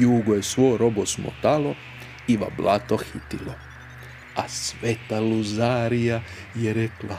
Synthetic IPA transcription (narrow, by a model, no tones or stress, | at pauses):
juːɡojesʋojɾo̞bosmo̰t̪alˠo̞ | iʋa̰blat̪oxit̪ilo | asʋet̪aluzaːɾija | jeɾekla